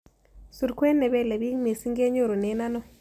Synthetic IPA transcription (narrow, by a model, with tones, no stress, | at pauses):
su˨ɾkwɛ˦nɛ˨βɛ˦˨le˨bi˦ŋme˨si˦ŋɡe˦ɲo˦˨ɾo˨nɛ˨˦na˦nɔ˦˨